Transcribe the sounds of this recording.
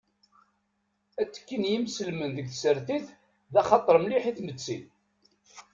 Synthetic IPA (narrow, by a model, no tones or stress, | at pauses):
æt͡sːə̥kːinjimsəlmənðəɡθsəɾθiθ | ðæχɑt̪ˤːəɾˤmliħiθmət͡sːi